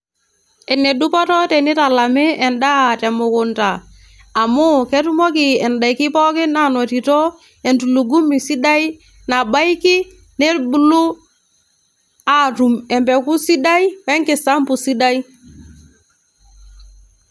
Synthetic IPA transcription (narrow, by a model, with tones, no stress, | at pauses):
ɛ˨ne˨du˦pɔ˦tɔ˦tɛ˨ni˦ta˨la˨mɪ˦ɛ˨nda˦a˨tɛ˨mʊ˨ku˨ntaː˨ | mu˦kɛ˦tu˦mɔ˦ki˨ɛ˨nda˨jki˦pɔ˦kɪ˦na˨nɔ˨ti˨tɔ˦ | ɛ˨ntu˨lu˨ɡu˦mi˨si˦da˦i˦ | na˨ba˦ji˦ki˦ | ne˦bu˦lu˦ | a˨tu˨mɛ˨mpɛ˨ku˦si˦da˦i˦wɛ˦ŋkɪ˨sa˦mpu˨si˦da˦i˦